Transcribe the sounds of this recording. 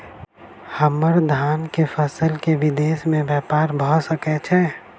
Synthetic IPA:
həməɾd̪ʱaːnkefʰəsəlkeʋɪd̪eːsmẽbjɛːpaːɾbʱəsəkɛt͡ʃʰɛ

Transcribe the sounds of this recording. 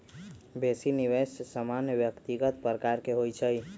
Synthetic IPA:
besiniʋessəmanjəbjəkt̪iɡət̪pɾəkaɾkeɦojt͡ʃʰəj

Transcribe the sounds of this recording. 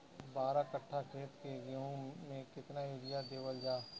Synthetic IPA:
baːɾakəʈʰːakʰeːt̪keɡeõmẽkɪt̪naeːɖɪjad̪eːwəld͡ʒaː

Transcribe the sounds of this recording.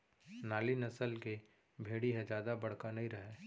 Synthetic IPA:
naːlinɐsəlke | bʱeːɽiɦɛ̃d͡ʒaːd̪abɐɽ̤kanɐɦĩɾɐɦeː

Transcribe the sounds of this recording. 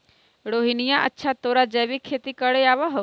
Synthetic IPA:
ɽoːɦinijãʔə̰tːʃʰat̪oːɾad͡ʒɐjʋikʰːeːt̪ikəɽeaːʋaɦɐ

